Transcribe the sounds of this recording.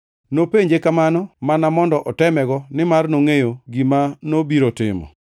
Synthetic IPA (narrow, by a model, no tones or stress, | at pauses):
nopeɲd͡ʒekamanɔmanamɔndɔʔɔtɛmɛɡɔnɪmarnoŋejoɡimanobiɾotɪ̰mɔ̰